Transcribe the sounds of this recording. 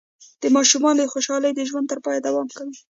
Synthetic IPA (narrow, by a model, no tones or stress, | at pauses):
d̪̥əmɑʃumɑnoxoʃɑləjd̪əʒwant̪əɾpɑjad̪awɑmkawi